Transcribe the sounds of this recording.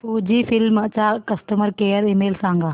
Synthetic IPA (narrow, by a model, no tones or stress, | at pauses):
puːd͡ʒiːfʰɪlmət͡ʃaːkɐsʈəməɾkeːəɾimeːlsãːŋɡaː